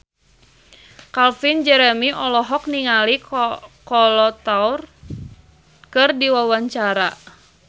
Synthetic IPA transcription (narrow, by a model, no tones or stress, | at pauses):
kalfind͡ʒɛɾɛmiʔɔlɔɦɔk̚niŋalikɔlɔt̪aur | kɨrdiwawaɲt͡ʃaɾa